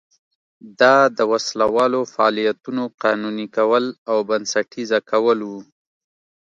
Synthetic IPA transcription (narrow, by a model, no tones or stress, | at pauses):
d̪ɑd̪əwaslawɑlofaːlijat̪unoqɑnunikawəlawbansaʈizakʰawəlwu